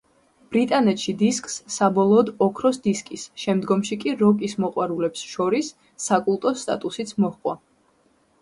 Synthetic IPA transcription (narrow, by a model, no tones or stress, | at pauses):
b̥ɾit̪ʼanɛt̪ʰʃid̪iskʼsːabɔlˠɔːd̪ɔkʰɾɔsd̪iskʼisʃɛmd̪ɡɔmʃikʼiɾɔkʼismɔqʼwaɾulɛpsʃɔɾisː | akʼulˠt̪ʼɔst̪ʼa̰t̪ʼusit̪sʰmɔhqʼwa